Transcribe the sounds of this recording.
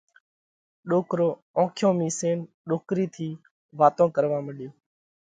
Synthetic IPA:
ɗoːkɾoː | õːkʰjõːmiːseːn | ɗoːkɾiːt̪ʰiː | ʋaːt̪õːkəɾʋãːməɗɪjoː

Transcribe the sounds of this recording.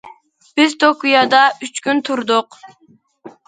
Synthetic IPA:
b̥ɪzt̪okujɑd̪ɑyt͡ʃkʲynt̪ʰuɾd̪ʊq

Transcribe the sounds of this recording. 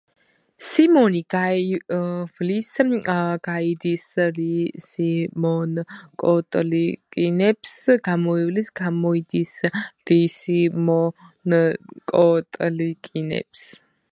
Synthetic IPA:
simɔniɡa | vlisɡ̥aid̪islisimɔnkʼɔt̪ʼlikʼinɛpsɡ̥amɔivlisɡamɔid̪isɾisimɔnkʼɔt̪ʼlikʼinɛ̰ps

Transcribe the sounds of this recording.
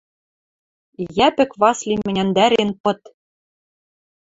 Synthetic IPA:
jæpɘ̆kβɑslimɘ̆nʲænd̪æɾenpɤ̆t̪

